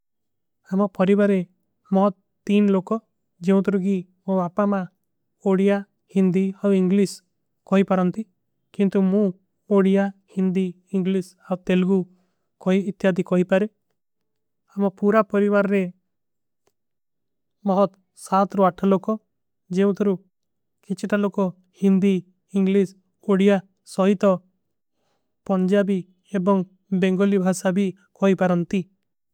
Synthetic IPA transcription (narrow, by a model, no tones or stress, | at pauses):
amɔpɔɾibaɾe | mɔɦɔt̪ | t̪inlokɔ | d͡ʒeũt̪ɔɾuɡimõapama | oɽija | hind̪iawiŋɡlis | kɔɦipaɾɔnt̪i | kint̪umũ | oɽijahind̪i | iŋɡlis | awt̪elɡu | kɔɦiːt̪jad̪ikɔɦipaɾe | amɔpuɾapɔɾibaɾɾe | mɔɦɔt̪ | sat̪ɾɔaʈʰalokɔ | d͡ʒeũt̪ʰɔɾu | kit͡ʃʰiʈalokɔ | hind̪iː | ŋɡlis | oɽija | sɔɦit̪ɔ | pɔɲd͡ʒabi | ebɔŋ | beŋɡɔlibʱasabʱi | kɔɦipaɾɔnt̪i